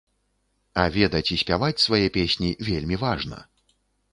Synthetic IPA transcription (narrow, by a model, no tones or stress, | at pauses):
ɐvʲɛd̪ɐt͡sʲisʲpʲavat͡sʲsvajɛpʲesʲnʲivʲelʲmʲivaʐnɐ̰